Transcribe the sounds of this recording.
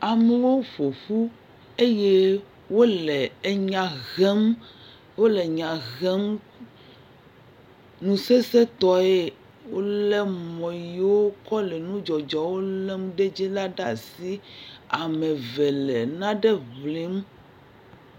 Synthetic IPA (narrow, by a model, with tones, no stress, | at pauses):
a˨mɛ˨wo˦ɸo˨ɸu˦ | e˦je˦ | wo˦lɛ˨˦ɲã˨ɣɛ˦m | wo˦lɛ˨ɲã˨ɣɛ˦m | nũ˨se˦se˦t̪ɔ˦e˦ | wo˦lɛ˦mɔ̃˨ji˨wo˦kɔ˦lɛ˨nũ˦d͡ʒɔ˨d͡ʒɔ˨wo˦lɛ˦mɖe˦d͡ʑi˦la˦ɖa̰˨si˦a˨mẽ˨vɛ˨lɛ˨nã˦ɖɛ˦βvli˨˦m